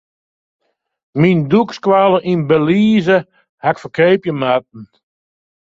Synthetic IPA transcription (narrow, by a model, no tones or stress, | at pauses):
mindukskwaːləʔinbəliːzə | hakfəkeːpjəmat̚n̩